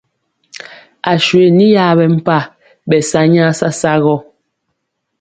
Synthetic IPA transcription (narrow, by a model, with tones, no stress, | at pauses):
a˨ʃwe˨ni˦ja˦˨bɛ˨m̩˦˨pa˦˨ | bɛ˨sa˦ɲa˦sa˦sa˦ɣɔ˦˨